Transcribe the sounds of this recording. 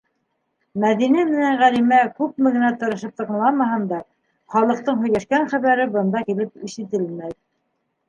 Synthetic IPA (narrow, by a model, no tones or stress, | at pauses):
mæðinæmɘ̆næɴʁælimækʉp̚mɘ̆ɡɘ̆næt̪ŏɾɤ̆ʃɤp̚t̪ɤ̆qɤ̆lˠɑmɑhɤnd̪ɑ | χɑlˠɤ̆q̚t̪ɤɴɦɵ̆jlæʃkæɴχæβæɾɘbɤ̆nd̪ɑkilɘp̚iʃɘ̆t̪ɘlmæð